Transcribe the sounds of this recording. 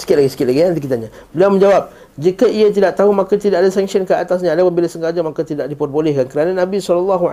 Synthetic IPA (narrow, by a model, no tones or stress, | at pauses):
sə̥kɪt̪̚laɡisə̥kɪt̪̚laɡiant̪ikit̪aɲabəliawmə̃ɲd͡ʒawap̚ | d͡ʒikəʔiat̪̬idaʔ̚t̪aɦumakat̪idaʔadasɛŋsənkəat̪as̬ɲaːdawabilasəŋɡad͡ʒamakat̪idaʔdipɔt̚bolɛhkankəɾananãbisɔləlːaɦu